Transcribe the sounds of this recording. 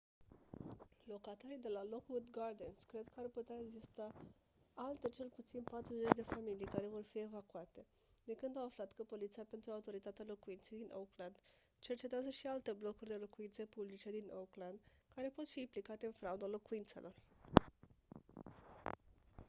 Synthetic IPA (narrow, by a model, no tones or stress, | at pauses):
lo̞kat̪aɾijd̪e̞lalo̞kwud̪ɡard̪enskɾe̞d̪kəarput̪eaeɡzist̪a | alt̪e̞t͡ʃe̞lput̪sinpat̪ɾuze̞t͡ʃd̪e̞familijkaɾevo̞rfie̞vakuat̪e̞ | d̪ekɨnd̪awaflat̪kəpo̞lit̪siape̞nt̪ɾuaut̪o̞ɾit̪at̪ealo̞kuint̪se̞jd̪inʔokland̪ | t͡ʃe̞rt͡ʃet̪eazəʃialt̪e̞blo̞kurʲd̪e̞lo̞kuint̪sepublit͡ʃe̞d̪inokland̪kaɾe̞po̞t̪fiːmplikat̪e̞ɨnfɾaud̪alo̞kuint̪se̞̰lʔo̞̰r